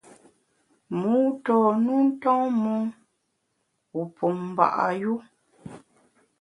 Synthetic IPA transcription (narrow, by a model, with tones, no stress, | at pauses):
muː˦tɔ˨nu˦n̩˦tɔ˦ŋmu˦ | u˨pʰu˨m˨ba̰˨ʔa̰˨ju˦